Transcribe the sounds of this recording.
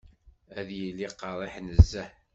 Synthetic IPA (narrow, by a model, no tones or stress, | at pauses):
æðjilːiqːɑɾˤɪħnəzːæħ